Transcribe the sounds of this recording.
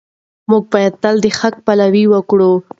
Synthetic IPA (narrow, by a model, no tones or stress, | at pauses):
muɡ̚bɑjad̪̚t̪ald̪əxak̚palawiwəkɽu